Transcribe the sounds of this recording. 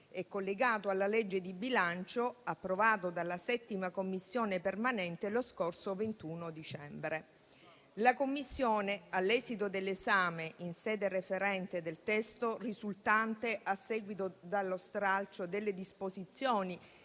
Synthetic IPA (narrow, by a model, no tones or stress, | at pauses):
ɛkːolːeɡaːt̪oalːalɛd͡ʒːed̪ibilant͡ʃoapːɾovaːt̪od̪alːasɛt̪ːimakomːisːjoːnepermanɛnt̪eloskorsovent̪uːnod̪it͡ʃɛmbɾe | lakomːisːjoːnealːɛːzit̪od̪elːezaːmeʔinsɛːd̪erefeɾɛnt̪ed̪elt̪ɛst̪orizult̪ant̪eʔasːɛːɡwit̪od̪alːost̪ɾalt͡ʃod̪elːed̪ispozit̪sːjoːni